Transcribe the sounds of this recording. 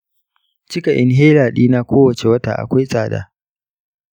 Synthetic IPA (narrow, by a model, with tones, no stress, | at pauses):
t͡ʃɪ˦ka˨ʔɪ˦nɦeː˦laː˨ɗiː˦naː˦kʷoː˦wɐ˨t͡ʃe˨wɐ˦ta̰ː˨ʔa̰˨kʷa˦jsʼaː˨da̰ː˦